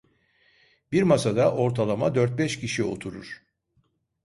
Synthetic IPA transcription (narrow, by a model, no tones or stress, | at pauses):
biɾmasad̪aʔo̞ɾt̪ʰalˠama̰d̪øɾt̪̚bɛʃcʰiʃio̞̰t̪ʰuɾuɾ̥